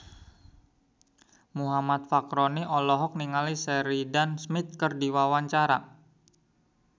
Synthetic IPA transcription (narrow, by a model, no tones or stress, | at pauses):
muɦamat̪̚fakɾɔniʔɔlɔɦɔk̚niŋalisɛɾidansmɪt̪̚kərdiwawaɲt͡ʃaɾa̰